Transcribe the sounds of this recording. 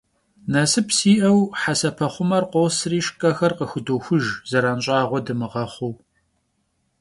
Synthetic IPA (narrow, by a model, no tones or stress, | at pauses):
nɐsɨpsiːʔɐwħasɐpʰɐχʷʊmɐrqʷoːsriːʃkʼɐxɐrqəxɨdoxʷʊʒzɐɾanɕʼɑːʁʷɔdɨmɨʁɐχʷuw